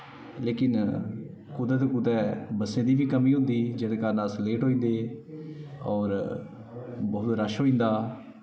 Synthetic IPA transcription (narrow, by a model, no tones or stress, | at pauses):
leːkɪn | kʊd̪ɛːt̪oːkʊd̪ɛːbəsẽːd̪iːbiːkəmiːɦʊ̃nd̪iːd͡ʒəɽkanəsleːʈɦoːĩːnd̪eː | ɔːɾ | bɔːt̪ɾəʃɦoːĩːnd̪aː